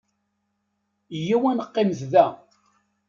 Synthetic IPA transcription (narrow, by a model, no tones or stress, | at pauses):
jiwænəqːɪmzðæ